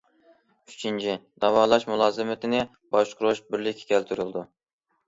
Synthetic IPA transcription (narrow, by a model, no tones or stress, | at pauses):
yt͡ʃʰint͡ʃʰid̪ɑwɑːlˠɑʃmulˠɑːzɨmɪt̪ʰɪnɪ | b̥ɑʃqʰʊɾoʃbɪɾlɪkʲʰːɛ̥kʲʰɛlt̪ʰyɾylˠd̪u